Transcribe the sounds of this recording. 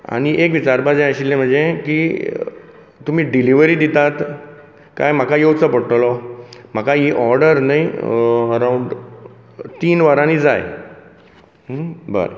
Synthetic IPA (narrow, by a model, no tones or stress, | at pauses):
a̰ɽ̃iʔek̬ʋit͡ɕaɾpad͡zẽəɕilːẽm̤əɳd͡zekiː | t̪um̤iːɖiliʋəɾiːd̪it̪at̪ | ka̰jm̤akajewt͡səpəɽʈəlɔm̤akaɦiʔɔɾɖəɾnajəɾauɳɖ | t̪iːnʋəɾãnid͡zaj | bə̰ɾ